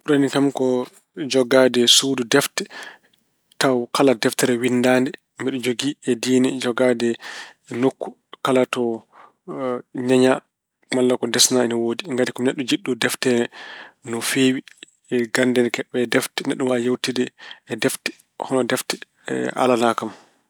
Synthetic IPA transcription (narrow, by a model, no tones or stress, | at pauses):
uɾanikamkɔ | d͡ʒɔɡadɛsududɛftɛ̥ | tawkaladɛftɛɾɛwinːdaːndɛ | mbɛɗud͡ʒoɡiɛdiːnɛd͡ʒɔɡadɛ | nokːu̥ | kalatɔ | ɲaɲa | malːakɔdɛsnaɛnɔwoːdiŋɡadikɔmnɛɗːɔd͡ʒiɗːudɛftɛɾnɔfeːwi | ɛɡandɛnkɛɓːɛːdɛftɛnɛɗːumajewtidɛɛdɛftɛ̥ | hɔnɔdɛftɛ̥ | ɛ̰ʔa̰lanakam